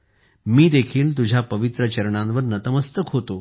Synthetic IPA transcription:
miːd̪ekʰiːlt̪̬ud͡ʑʱjapəʋit̪ɾət͡ɕəɾɳ̃ãnʋəɾnət̪əməst̪əkɦot̪o

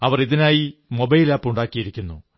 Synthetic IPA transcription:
ɐʋɐriðinaːjimo̞bɐjilaːpːuɳɖaːkːijiɾikʲːunːṵ

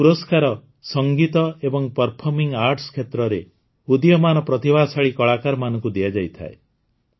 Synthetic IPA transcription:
puɾɔskaɾɔ | sɔŋɡit̪ɔebɔŋpɔɾpʰɔɾmiŋɡaɾʈskʰet̪ɾɔɾe | ud̪jɔmanɔpɾɔt̪ibʱasaɭikɔɭakaɾmanɔ̃ŋkud̪iad͡ʒajt̪ʰa̰e

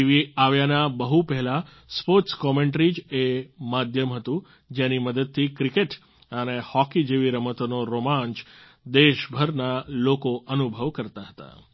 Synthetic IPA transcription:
iʋiaʋjanabəɦupɛɦɛla | spoɾʈskɔmeɳʈɾid͡ʒemad̪ʱjəmɦət̪ũ | d͡ʒeniməd̪əd̪̚t̪ʰikɾikeʈ | ənehɔkid͡ʒeʋiɾəmət̪onoɾomãɲt͡ʃ | d̪eʃbʱəɾnalokoʔənubʱəʋkəɾt̪aɦət̪a̰

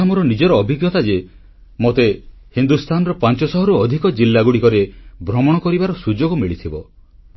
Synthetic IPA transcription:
amɔɾɔnid͡ʒɔɾɔːbʱiɡjɔt̪ad͡ʒe | mot̪e | hind̪ust̪ʰanɔɾɔpant͡ʃɔsɔɦɔɾuɔd̪ʱikɔd͡ʒilːaɡuɽikɔɾebʱɾɔmɔɽ̃ɔkɔɾibaɾɔsud͡ʒoɡɔmiɭit̪ʰibɔ

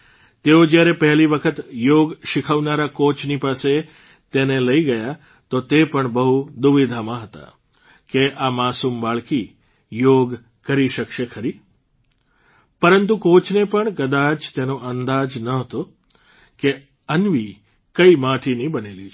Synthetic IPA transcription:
t̪eod͡ʒjaɾepəɦliʋəkʰət̪joɡʃɪkʰaʋnaɾakot͡ʃnipase | t̪eneləiɡəja | t̪ot̪epəɳbəɦud̪uʋid̪ʱamãɦət̪a̰ | keʔamasumbaɭki | joɡ | kəɾiʃəkʃekʰəɾi | pəɾənt̪ukot͡ʃnepəɳkəd̪at͡ʃt̪enoənd̪ad͡ʒnəɦət̪o | ke | ənʋi | kəimaʈʰinibəneli

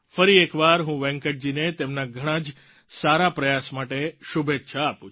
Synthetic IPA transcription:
fəɾiekʋaɾɦũʋɛ̃ŋkəʈ̚d͡ʒinet̪emnaɡʱəɽ̃ãd͡ʒ | saɾapɾəjasmaʈeʃubʱetːʃʰaːpũ

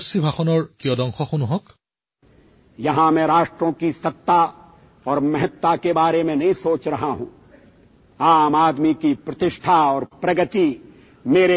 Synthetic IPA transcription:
sibʱaxɔnɔɹkiɔd̪ɔ̃ŋxʰɔxunuɦɔ̃k | jɐɦãmɛ̃ɾaːʃʈɾõkisɐt̪ːa | ɔːɾmɐɦət̪ːakebaːɾemẽnɐɦĩsoːt͡ʃɾɐɦaɦṵ̃ː | aːmaːd̪mikipɾɐt̪ɪʃʈʰaɔːɾpɾɐɡət̪i | meːɾe

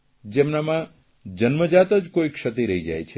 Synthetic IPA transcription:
d͡ʒemnamã | d͡ʒənməd͡ʒat̪əd͡ʒkoikʃət̪iɾəɦid͡ʒajt͡ʃʰe

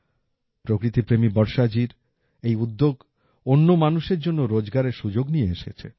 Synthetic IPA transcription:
pɾokɾit̪ipɾemibɔɾʃad͡ʑiɾ | ejud̪ːoɡ | onːomanuʃeɾd͡ʑonːoɾod͡ʑɡaɾeɾʃud͡ʑoɡnijeeʃḛt͡ɕʰḛ

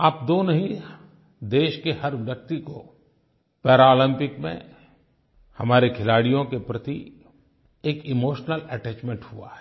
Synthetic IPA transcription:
aːpd̪oːnoɦĩ | d̪eːʃkehɐɾɪlɐk̚t̪iko | pɛːɾaːlɪ̃mpɪkmḛ̃ | hɐmaːɾekʰɪlaːɽijõkepɾɐt̪i | eːkɪmoːʃnəlɛʈɛːt͡ʃmẽɳʈhua̰ɦɛ

